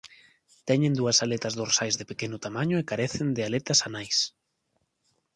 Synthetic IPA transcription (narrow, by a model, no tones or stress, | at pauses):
t̪ɛɲẽnd̪uɐsalet̪ɐzðoɾsajzðɪpekenʊt̪amaɲʊekaɾeθend̪ɪalet̪ɐsanajs